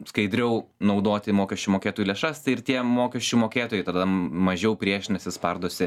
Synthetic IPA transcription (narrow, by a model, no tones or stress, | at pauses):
skɐɪd̪ʲɾʲɛʊnɐʊd̪oːt̪ʲɪmoːkʲɛʃʲt͡ʃʲumoːkʲeːt̪oːjuːlʲeɛʃɐst̪ɐɪɪrt̪ʲiɛmoːkʲɛʃʲt͡ʃʲumoːkʲeːt̪oːjɛɪt̪ɐd̪ɐmɐʒʲɛʊpʲɾʲiɛʃʲnʲɛsʲɪspɐrd̪oːsʲɪ